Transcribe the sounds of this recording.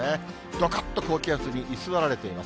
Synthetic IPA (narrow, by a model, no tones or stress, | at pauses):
e | d̪̥okḁt̪ːo̞ko̞ːkʲiasɨɲ̟iʔisɨβaɾaɾe̞t̪e̞ima̰s